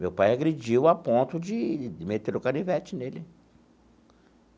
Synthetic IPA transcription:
mewpajaɡɾed͡ʒiwapõnt̪ʊd͡ʒɪɪmet̪eɾʊkanivɛt͡ʃɪnelɪ

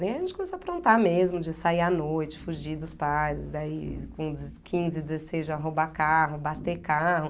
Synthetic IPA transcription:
ejɐʒẽnt͡ʃɪkõmesoaɐpɾõnt̪amezmʊd͡ʒɪsaianojt͡ʃɪ̥fuʒid̪ʊspajzɪsd̪aikõd͡ʒzkʰĩzɪd͡ʒɪzesejzaɦobakaɦʊbat̪ekaɦʊ

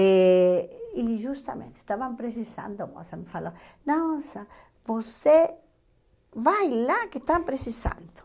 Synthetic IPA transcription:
e | iʒust̪amḛ̃nt̪e̥t̪aβampɾes̬isã̰nd̪omo̰samefalo | nosa | bose | vajlaket̪ampɾesisã̰nd̪o̥

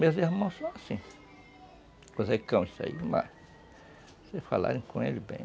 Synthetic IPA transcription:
mezihmɐ̃sõasĩ | vosekɐ̃w̃isa̰ḭma̰ | sesfala̰ɾẽj̃kõelibḛ̃j̃

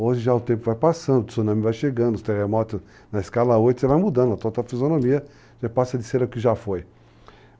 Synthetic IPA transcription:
ozɪʒaʊt̪ẽpʊvajpasɐ̃nd̪ʊ̥sonɐ̃mɪvajʃeɡɐ̃nd̪ʊst̪eʁemɔt̪ʊ | nɐɪskalɐojt̪ʊ̥sɪvajmud̪ɐ̃nʊɐt̪od̪ɐfizonõmiɐ | ʒãpasɐd̪ɪseɾʊkɪʒafoj

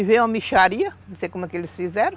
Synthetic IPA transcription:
ivẽɐmiʃaɾiɐnõsejkomɛkelɪsfizɛɾɐ̃

